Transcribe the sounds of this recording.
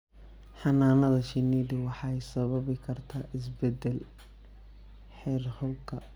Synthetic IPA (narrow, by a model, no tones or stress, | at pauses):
ħɑnaːnɐðɐʃɪniːd̪ʊwɑħɑjsɐβɐβɪkʰɐrt̪ʰaːʔɪs̬bɛd̪ɛl | ħɛːrhʊlkʰɐ